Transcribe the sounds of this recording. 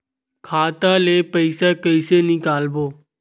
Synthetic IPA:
kʰaːt̪aːleːpəɪsaːkəɪseːnɪkaːlboː

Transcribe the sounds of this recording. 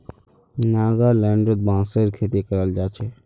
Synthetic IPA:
naːzalɛːɳɖɾəd̪̚bãːsəɾkʰeːt̪ikəɾəld͡ʒaːt͡ʃʰe

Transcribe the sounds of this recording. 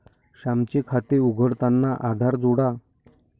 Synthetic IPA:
ɕamt͡ɕekʰat̪euɡʱəɽt̪anːaʔad̪ʱaɾd͡zoɽa

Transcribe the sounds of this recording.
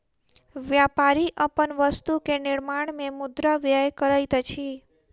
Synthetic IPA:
ʋjapaɾiʔəpənʋəst̪ukenɪɾmaɳmemud̪ɾaʋjajkəɾajt̪ət͡ʃʰi

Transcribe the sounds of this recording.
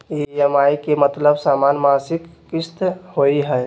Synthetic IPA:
eɛmaikemət̪ləbsaːmanmasɪkːɪst̪hoiɦɛ

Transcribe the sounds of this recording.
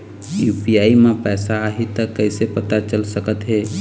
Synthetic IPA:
juːpiaːimẽpɛːsaːɦit̪əkːəɪsepət̪at͡ʃəlsəkət̪ɦɛː

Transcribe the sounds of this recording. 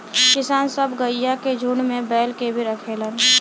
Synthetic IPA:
kɪsaːnsəbɡəɪjːaked͡ʒʱuːɳmẽbɛːlkebʱiɾəkʰeːlən

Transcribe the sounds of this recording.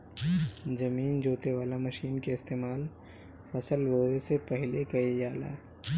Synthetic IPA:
d͡ʒɐmiːnd͡ʒoːt̪eʋaːlamɐʃiːnkeɪst̪eːmaːl | fɐsəlʋoːesepɛɦlekɐid͡ʒaːla̰ː

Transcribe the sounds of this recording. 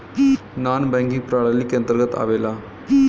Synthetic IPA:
naːnbɛŋkĩŋɡ̚pɾaːɭalːikjɐnt̪ɾɡət̪a̰ʋeːla

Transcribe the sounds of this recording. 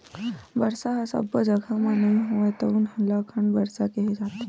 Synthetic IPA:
bəɾsaɦasə̰bəd͡ʑəɡʱamanəiɦoʋajt̪əunɦəlakʰəɳbəɾsakeɦed͡ʒat̪e

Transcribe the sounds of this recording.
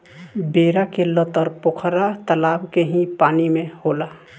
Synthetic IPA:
beːɾakelət̪əɾpʊkʰɾat̪əlaːbkeɦĩpaːnimẽhoːlaː

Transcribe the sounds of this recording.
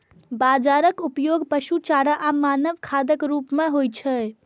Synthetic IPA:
bad͡ʒaɾəkupjoɡpəʃut͡ʃaɽaʔamanəbkʰad̪əkɾupmeɦojt͡ʃʰə

